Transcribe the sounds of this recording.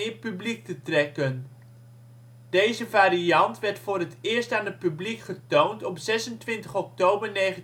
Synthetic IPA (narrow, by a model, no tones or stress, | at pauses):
ɪpyblik̚tətrɛkən | d̥ejzəvaːɾiɑntʋɛɹtfʊːɾɦətɪːɹstaːnɦət̚pyblikχətowntɔpzɛsəntʋɪntəχɔk̚towbəɹnejχə